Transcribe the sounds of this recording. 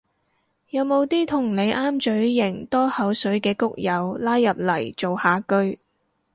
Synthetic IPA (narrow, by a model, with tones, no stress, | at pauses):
jɐ˨˧wmo˨˧wt̪iː˥t̪ʰʊ˨˩ŋne˨˧jʔaː˥mt͡ʃɵ˨˥ɥːɪ˨˩ŋt̪ɔː˥hɐ˨˥wsɵ˨˥ɥkɛː˧kʊ˥k̚jɐ˨˧wlaː˥jːɐ˨p̚lɐ˨˩jt͡so˨whaː˨˧kɵ˥ɥ